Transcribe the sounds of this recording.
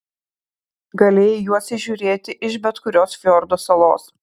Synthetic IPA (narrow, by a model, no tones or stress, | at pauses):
ɡɐlʲeːjɛjuɔsʲɪʒʲʊːɾʲeːt̪ʲɪʔɪʃbʲɛt̪kʊɾʲoːsfʲoːɾd̪oːsɐlˠo̰ːs